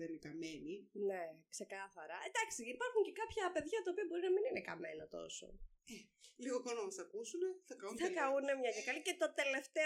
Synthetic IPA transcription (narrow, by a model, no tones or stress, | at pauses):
ðenikɐmeninekse̞kɐθɐɾɐed̪ɐksiipɐɾxuɲce̞kɐpçɐpe̞ðʝɐt̪ɐopiɐbo̞ɾinɐmininekɐ̰me̞nɐt̪o̞̰so̰e | liɣoxonɐmɐst̪ɐkusune̞θɐkɐunθɐkɐune̞mɲɐjɐkɐlicet̪ot̪e̞le̞ft̪e